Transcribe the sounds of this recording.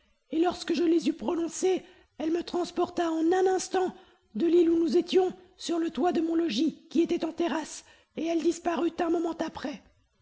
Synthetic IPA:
elɔʁskəʒəlezypχɔnɔ̃se | ɛlmət̪χɑ̃spɔʁt̪aɑ̃nɛ̃nɛ̃st̪ɑ̃ | d̪əlilunuzet̪jɔ̃syʁlət̪wad̪əmɔ̃lɔʒikʲiet̪ɛt̪ɑ̃t̪eʁas | eɛld̪ispaʁyt̪ɛ̃mɔmɑ̃t̪apχɛ

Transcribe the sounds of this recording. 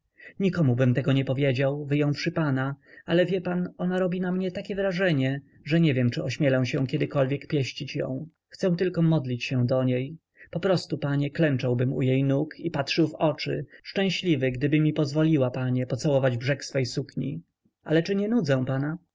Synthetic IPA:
ɲikɔmubɘmt̪ɛɡɔɲɛpɔvʲjed͡ʑawvɘjɔ̃w̃fʂɘpanaalɛvʲjɛpanɔnaɾɔbʲinamɲɛt̪akʲɛvɾaʐɛɲɛ | ʐɛɲɛvjɛmt͡ʂɘɔɕmʲjɛlɛw̃ɕɛ̃kʲɛd̪ɘkɔlvʲjɛkpʲjɛɕt͡ɕit͡ɕjɔ̰̃w̃ | xt̪sɛ̃w̃t̪ɘlkɔmɔd̪lʲit͡ɕɕɛ̃d̪ɔɲej | pɔpɾɔst̪upaɲɛklɛnt͡ʂawbɘmṵjejnukʰipatʂɘwvɔt͡ʂɘ̰ʂt͡ʂɛ̃w̃ɕlʲivɘɡd̪ɘbɘmʲipɔzvɔlʲiwapaɲɛpɔt̪sawɔvad͡ʑbʐɛksfɛjsukɲḭ | ʔa̰lɛt͡ʂɘɲɛnud̪zɛ̃w̃pana

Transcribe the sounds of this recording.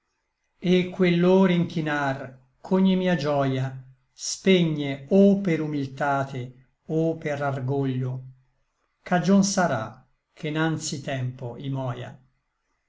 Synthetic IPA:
ekʰːwelːoːɾiŋkinar | kʰoɲːimiːad͡ʒɔja | speɲːeopeɾumilt̪aːt̪ʰe | opːerarɡoʎːo | kʰad͡ʒonsaɾa̰ | kʰenant̪sit̪ɛmpoimɔːja̰

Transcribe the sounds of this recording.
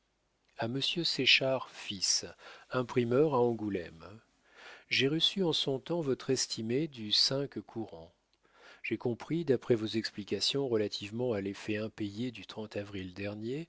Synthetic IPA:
aməsjøseʃaʁfisɛ̃pχimœʁaɑ̃ɡulɛ̰m | ʒeʁəsyɑ̃sɔ̃t̪ɑ̃vɔt̪χɛst̪ʰimed̪ysɛ̃kkʰuʁɑ̃ | ʒ̥ekɔ̃pχid̪apχɛvozɛksplikʲasjɔ̃ʁəlat̪ʰivmɑ̃alefɛɛ̃pejed̪yt̪χɑ̃t̪avʁild̪ɛʁnje

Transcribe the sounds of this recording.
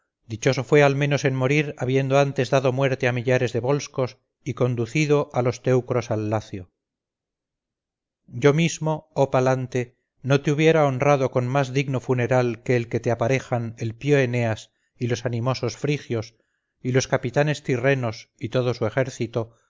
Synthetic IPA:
d̪it͡ʃo̞so̞fwe̞almẽ̞no̞se̞nmo̞ɾiɾaβje̞nd̪oant̪e̞zðaðomwe̞ɾt̪e̞amiʎaɾe̞zðe̞βo̞lsko̞s | iko̞nd̪uθiðo̞ʔalo̞st̪e̞wkɾo̞salːaθjo̞ | ɟ͡ʝo̞mizmo̞opalant̪e̞ | no̞t̪euβje̞ɾaonrraðo̞ko̞nmazðiɣno̞fune̞ɾalke̞ːlke̞t̪eapaɾe̞xane̞lpjoene̞as | ilo̞sanimo̞so̞sfɾixjo̞s | ilo̞skapit̪ane̞st̪ire̞no̞sit̪o̞ðo̞sue̞xe̞ɾθit̪o

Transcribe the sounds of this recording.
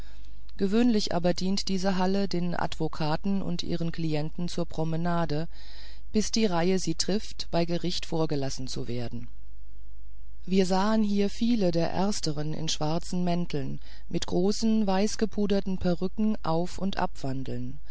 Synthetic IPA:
ɡ̥əvøːnlɪçʔa̰ːbɐdiːntd̥iːzəɦalədeːnʔa̰dv̥okʰaːtn̩ʊ̰ntʔḭːʁ̞ənkl̥iɛntn̩t͡suːɐpʁ̥ɔmənaːdə | b̥ɪsd̥iːʁaɪəziːtʁ̥ɪftb̥aɪɡəʁɪçtfoːɐɡəlasn̩t͡sṵveːɐdn̩ | viːɐzaːənɦiːɐfiːlədeːɐʔɛ̰ɐstəʁ̞ənɪ̰nʃv̥aɐt͡sn̩mɛntʰl̩n | mɪtɡ̥ʁoːsn̩vaɪsɡ̥əpʰuːdɐtn̩pʰɛʁʏkŋ̩ʔaʊfʊntʔa̰pv̥andl̩n

